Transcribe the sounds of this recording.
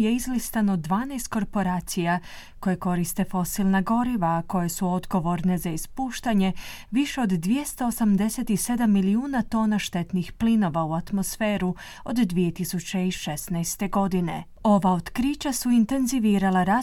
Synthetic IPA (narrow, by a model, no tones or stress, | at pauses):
je̞izlist̪anod̪ʋaːnajst̪̚ko̞ɾpo̞ɾaːt̪sija | ko̞jeko̞ɾist̪e̞fo̞silnaɡo̞ɾiʋaːko̞je̞suo̞d̪ɡo̞ʋo̞ɾne̞zaispuːʃt̪aɲe̞ʋiʃeod̪ːʋje̞st̪oosamd̪e̞se̞t̪ise̞d̪amːiliuːnat̪o̞ːnaʃt̪e̞t̪nixplino̞ʋauat̪mo̞sfe̞ːɾu | o̞d̪ːʋije̞t̪isut͡ɕeiʃesnajst̪e̞ɡo̞d̪ine̞̰ | o̞ʋaod̪kɾit͡ɕasuint̪e̞nziʋiːɾalˠaɾa